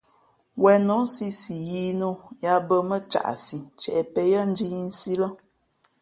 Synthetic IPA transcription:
wɛ˨no˨˦si˦si˨ji˦no˦ja˦bə˦mə˦t͡ʃa̰˨ʔsi˨t͡ʃɛ˨ʔɛ˨pɛ˨jə˦n̩˦di˦n̩˦si˦lə˦

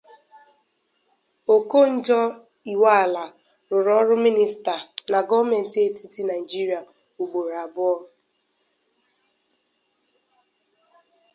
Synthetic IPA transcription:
o˨ko˦n̩˦d͡ʒɔ˦ | i˨wa˦a˨la˨ | ɾʊ˨ɾɔ˦ɾʊ˦mi˦ni˨sta˨na˨ɡɔ˦me˨n̩˨te˦ti˦ti˦na˨i˨d͡ʒi˦ɾi˨a˨ | u˨ɡ͡bo˨ɾa˨bʊ˦ɔ˦

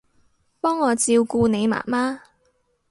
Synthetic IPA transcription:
pɔː˥ŋːɔː˨˧t͡siː˧wkuː˧ne˨˧jma̰ː˨˩maː˥

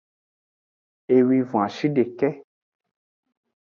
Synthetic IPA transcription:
e˧wi˧vũ˨a˨ʃi˦ɖe˨kɛ˦

